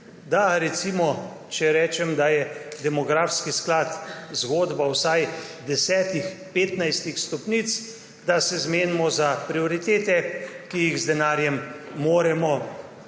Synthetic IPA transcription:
d̪aɾɛt̪simɔ | t͡ʃɛɾɛːt͡ʃɛmd̪ajɛd̪ɛmɔɡɾaːfskisklat̪zɡoːd̪bawsajd̪ɛsɛːt̪ixpeːt̪najst̪ixst̪ɔpnit̪s | d̪asɛzmeːnimɔzapɾioɾit̪eːt̪ɛkijiɣzd̪ɛnaːɾjɛmːoːɾɛmɔ

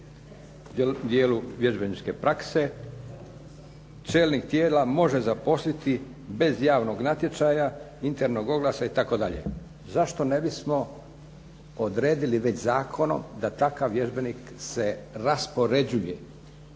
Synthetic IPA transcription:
d̪jeːluʋje̞ʒbe̞nit͡ʃke̞pɾakse̞ | t͡ʃe̞ːlnikt̪jeːlamo̞ʒezapo̞slit̪i | be̞zjaːʋno̞ɡnat̪je̞t͡ʃaja | int̪e̞ɾno̞ɡo̞ɡlˠasait̪ako̞d̪aʎḛ | zaʃt̪o̞ne̞bismo̞ | od̪ɾe̞ːd̪iliʋe̞t͡ɕzaːkʰo̞no̞̰md̪at̪akaʋʋje̞ʒbe̞nik | se̞ɾaspo̞ɾe̞d͡ʑuje

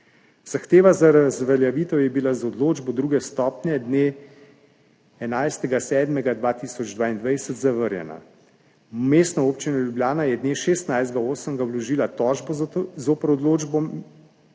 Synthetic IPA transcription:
z̥axt̪eːʋazaɾazʋɛljaʋiːt̪ɛwjɛbilazɔd̪loːd͡ʒbɔd̪ɾuːɡɛst̪ɔːpnjɛd̪ne | ɛnajst̪ɛɡasɛːd̪mɛɡad̪ʋaːt̪isɔd͡ʒd̪ʋaːind̪ʋajsət̪zaʋəɾjɛ̰na̰ | meːst̪nɔoːpt͡ʃinɔlʲjubljaːnajɛd̪neːʃeːst̪najzd̪ɡaoːsəmɡawlɔʒiːlat̪ɔːʒbɔzoːpəɾɔd̪loːd͡ʒbɔ

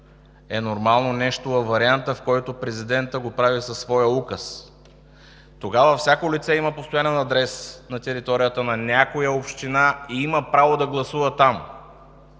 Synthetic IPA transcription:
ɛnoɾmalˠnonɛʃt̪oɐvɐɾiant̪əfkɔjt̪opɾɛzid̪ɛnt̪əɡopɾavisɐsːvɔjəukəs | t̪oɡavəfsʲakolit̪sɛimɐpost̪ojanɛnɐd̪ɾɛsnɐt̪ɛɾit̪ɔɾijət̪ənɐnʲakojəopʃt̪inaiiməpɾavod̪ɐɡlˠɐsuvət̪am

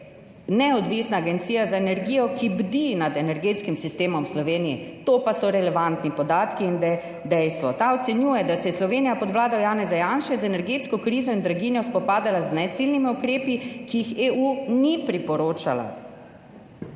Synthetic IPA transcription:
nɛɔd̪ʋisnaːɡɛnt̪siːjazaenɛɾɡiːjɔkibd̪inad̪ɛnɛɾɡeːt̪skimsist̪eːmɔmslɔʋeːnijɛt̪oːpasɔɾɛlɛʋant̪nipɔd̪aːt̪kiːnd̪ɛ | d̪ɛjst̪ʋɔt̪aɔt̪sɛnjuːjɛd̪asɛjɛslɔʋeːnijapɔd̪ʋlaːd̪ɔwjaːnɛzajanʃɛzɛnɛɾɡeːt̪skɔkɾiːzɔind̪ɾaɡinjɔspɔpaːd̪alaznɛt̪silnimiukɾeːpikijixeːunipɾipɔɾoːt͡ʃala̰

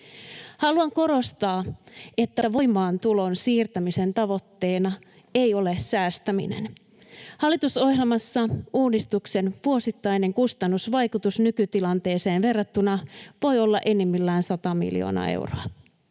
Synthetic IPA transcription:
hɑluɑŋko̞ɾo̞st̪ɑːe̞t̪ːææʋo̞jmɑːnt̪ulo̞nsiːrt̪æmise̞nt̪ɑʋo̞t̪ːe̞ːnɑ | e̞jo̞lessæːst̪æmḭnḛn | hɑlːˑit̪uso̞helmɑsːɑʔuːdist̪ukse̞nʋuosit̪ːɑjne̞ŋkust̪ɑnːusʋɑjkut̪usnykyt̪ilɑnt̪e̞ːseːnʋe̞rːɑt̪ːunɑʋo̞jo̞lːɑ̰ʔe̞nːemːilːæːnsɑt̪ɑmḭljo̰ːnɑ̰ḛwroɑ

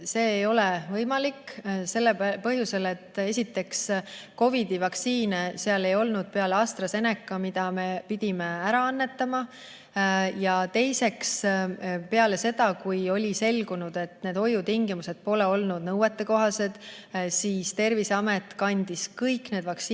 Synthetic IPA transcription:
se̞ːjo̞levɤjmɑlikːse̞lːepɤɦjuse̞let̪ːe̞sʲit̪ːe̞ksko̞vid̪ivɑksiːneseɑle̞jo̞lnud̪̥̚pe̞ɑleɑst̪rɑse̞nekˑːɑmid̪̥ɑme̞pid̪̥ʲimeæɾɑɑnːe̞t̪ːˑɑmɑ | jɑt̪e̞jse̞ks | pe̞ɑle̞se̞d̪ɑkujo̞lʲise̞lɡ̥unud̪̥e̞t̪ːne̞ːd̪o̞jut̪iŋɡimuse̞d̪̥̚po̞le̞o̞lnud̪̥nɤwet̪ˑːe̞ko̞ɦɑse̞d̪̥ | siːst̪e̞rviseɑme̞t̪ːˑkɑnʲd̪̥iskɤjkne̞d̪̥vɑks

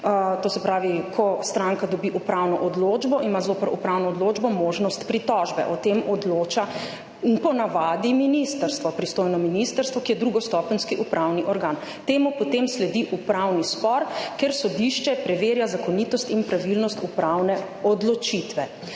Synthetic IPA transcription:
t̪oːsɛpɾaːʋikʰɔst̪ɾaŋkad̪ɔbiʔupɾawnɔʔɔd̪loːd͡ʒbɔʔimazoːpəɾupɾawnɔːd̪loːd͡ʒbɔmoːʒnɔst̪pɾit̪ɔʒbɛ̰ʔɔt̪emʔɔd̪loːt͡ʃa | pɔnaʋaːd̪iminist̪əɾst̪ʋɔpɾist̪oːjnɔminist̪əɾst̪ʋɔkijɛd̪ɾuɡɔst̪ɔpnskiʔupɾʔawniʔɔɾɡan | t̪eːmupɔt̪emslɛd̪iʔupɾawnispɔɾkɛɾsɔd̪iʃt͡ʃɛpɾɛʋeːɾjazakɔnit̪ɔst̪inpɾaʋilnɔst̪upɾawnɛ | ɔd̪lɔt͡ʃit̪ʋɛ

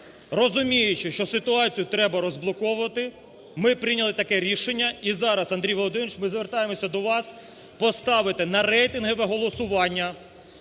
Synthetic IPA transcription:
rɔzʊmʲijʊt͡ʃɪʃt͡ʃɔsɪt̪ʊɑt͡sʲijʊt̪ɾɛbɐɾɔzblˠɔkɔʋʊʋɐt̪ɪ | mɪpɾɪnʲɐlˠɪt̪ɐkɛɾʲiʃenʲːɐizɑɾɐsɐnd̪ɾʲijʋɔlˠɔd̪ɪnʊʃmɪzʋert̪ɑjemɔsʲɐd̪ɔʋɑs | pɔst̪ɑʋɪt̪ɪnɐɾɛjt̪ɪnɦɔʋɛɦɔlˠɔsʊʋɑnʲːɐ

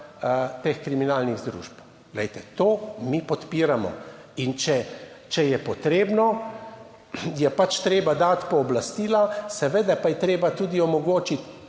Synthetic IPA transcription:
t̪exkɾiminalniɣzd̪ɾṵːʒp | ɡ̥lɛjt̪ɛt̪oːmipɔt̪piːɾamɔ̰ | int͡ʃɛ | t͡ʃɛjɛpɔt̪ɾeːbnɔ | jɛpat͡ʃt̪ɾeːbad̪at̪pɔːblast̪iːlasɛʋeːd̪apajɛt̪ɾeːbat̪ud̪iɔmɔɡoːt͡ʃit̪

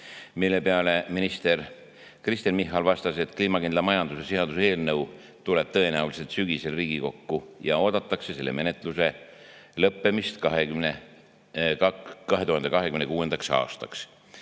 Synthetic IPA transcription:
milːe̞peɑle̞minist̪e̞r | krist̪inmihːɑlvɑst̪ɑse̞t̪ːˑkliːmɑkind̪lɑmɑjɑnd̪̥use̞siɦɑd̪usee̞ːlnɤw | t̪ule̞b̥̚t̪ɤe̞næulise̞lt̪syɡ̥ise̞lriːɡ̥iko̞kːujɑ̰o̞ːd̪̥ɑt̪ːˑɑkse̞se̞lːḛme̞ne̞t̪ˑluse̞ | lɤpːe̞mist̪kɑɦekymne | kɑɦe̞t̪uhɑnd̪̥ekɑɦe̞kymnekuːe̞nd̪ɑksɑ̰ːst̪ɑks

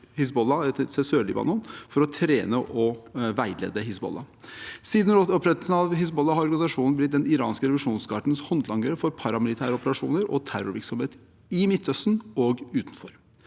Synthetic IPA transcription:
hɪs̬bɔlːɑɛt̪sesøːɭɪ̰bɑ̰nɔnfɔɾɔt̪ʰɾeːnəʔɔʋæɪlḛːd̪əɦɪsbɔ̰lːɑ | siːd̪n̩ɔɔpɾɛt̪lsn̩ɑʋhɪs̬bɔlːɑhɑɾɔɾɡɑnɪsɑʂuːnn̩blɪt̪̚d̪ɛnɪɾɑ̰ːnskəɾɛʋɪʂuːnskʰɑːʈəɳ̩shɔnd̪lɑŋːɡəɾəfɔɾpʰɑɾɑmɪlɪt̪ʰæːɾəɔpəɾɑʂṵːnəɾɔ̰t̪ʰæɾʊɾʋɪɾksɔmheːt̪ | ɪmɪt̪ʰːœst̪n̩ɔɡʉːt̪n̩fɔɾ

